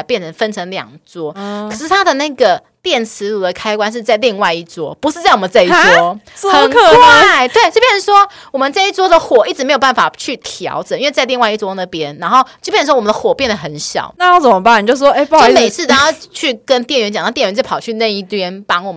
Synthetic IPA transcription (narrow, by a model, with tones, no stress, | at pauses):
pjɛ˥˩nʈ͡ʂʰə˧˥ŋfə˥nʈ͡ʂʰə˧˥ŋljɑ̰˨˩ŋt͡swɔ˥ə˨˩ʂɻ̩˥˩t̪ʰa˥d̪ə˨na˥˩ɡə˩ | t̪jɛ˥˩nt͡sʰɹ̩˧˥lu˨˩d̪ə˩kʰa˥ɪkwa˥nʂ̬ɻ̩˥˧t͡sa˥˧ɪli˥˧ŋwa˥˧ɪi˥˩t͡swɔ˥pu˧˥ʂɻ̩˥˧t͡sa˥˩wɔ˨˩mə˩˦t͡sa˥˧i˥t͡swɔ˥˧ | xə˨˥˧kwaa˥˩ɪt̪we˥˩ɪt͡ɕjpjɛ˥˩ʂ̩˥˩ʂwɔ˥ | wɔ˨˩mə˦nt͡sa˥˧i˥˩t͡swɔ˥d̪ə˨xwɔ˨˩i˥˩ʈ͡ʂɻ̩˧˩m˧˥jo̥˨˩a˥˩n˩fa˨˩t͡ɕʰy˥˩t̪ʰjɑ̰˧˥ʊʈ͡ʂə˨˩˦i˥we˥˧t͡sa˥˧ɪli˥˧ŋwa˧i˥˩t͡swɔ˥nə˥˩pjɛ˥nna˧˥nxo˥˩ʊt͡ɕo˥˧pjɛ˥˩n̩˩˥wɔ˥wɔ˨˩m˦nd̪ə˧xwɔ˨˩pjɛ˥˩nd̪ə˩xə˨˧˦nɕjɑ̰˨˩˦ʊna˥˧jʊt͡sə˨˩mə˦ba˥˩n˨˩t͡ɕjo˥˧ʊ˩wɔ˥˧e˥˩˥me˨˩ɪt͡sʰɹ̩˥˩t̪a˨˩˦ɑ˥˧t͡ɕʰy˥˩kə˦nt̪jɛ˥˩nɥɛ˧˥t͡ɕa˨nʰ˥˧t̪jnɥɛ˧˥t͡ɕ̬pʰɑ˨˩t͡ɕʰy˥˧na˥˧i˥˩t̪ʰɥɛ˥npɑ˥ŋwɔ˨˩mə